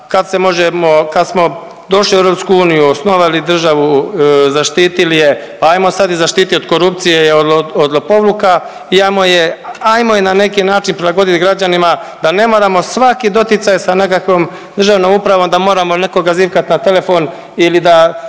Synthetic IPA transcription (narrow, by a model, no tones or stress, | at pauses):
kad̪se̞mo̞ʒemo̞kad̪smo̞ | d̪o̞ʃlieɾo̞ːpskuuːnijuosno̞ʋalid̪r̩ʒaʋuzaʃt̪iːt̪ilije̞ | paaːjmosad̪izaʃt̪iːt̪iod̪̚ko̞ɾupt̪sijeoood̪lopo̞ʋluka | iajmojeajmojenane̞kinaːt͡ʃinpɾelaɡo̞d̪it̪ɡɾad͡ʑanima | d̪̥ane̞mo̞ɾamo̞sʋakid̪o̞t̪it̪sajsane̞kakʋom | d̪r̩ʒaʋno̞mupɾaʋo̞md̪amo̞ːɾamone̞ko̞ɡaziːʋkat̪nat̪e̞le̞fo̞n | ilid̪a